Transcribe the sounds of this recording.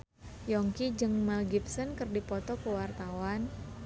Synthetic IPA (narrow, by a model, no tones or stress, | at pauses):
jɔŋkid͡ʒɨŋmalɡip̚sɔnkɨrdipɔt̪ɔkəwart̪awan